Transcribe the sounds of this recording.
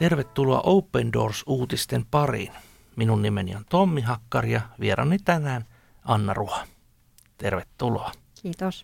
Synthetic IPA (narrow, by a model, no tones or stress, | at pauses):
t̪erʋet̪ːuloɑ̰ʔowpːendo̞̰ːrsuːt̪ist̪empɑrḭn | minunːimenḭont̪omːiɦɑkːɑrjɑʋieɾɑ̰nːit̪ænæːn | ɑnːɑruhɑ | t̪erʋet̪ːuloɑ | iːt̪os